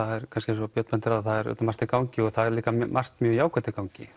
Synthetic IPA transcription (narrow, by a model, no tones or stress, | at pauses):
aðɛɾ̥kʰanscɪs̬ɔpjœt̪mɛnt̪ɪɾaðθaðɛɾœ̰t̪mar̥t̪ɪkawɲcɪɔɣθaðɛɾliːkammʔar̥t̪mjœːɣjaːwkʰœt̪ɪkawɲcɪ